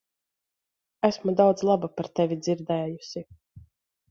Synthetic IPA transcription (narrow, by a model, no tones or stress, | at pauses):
æsmud̪awd̪zlˠabapaɾt̪ɛvʲid̪ziɾd̪ɛːjusi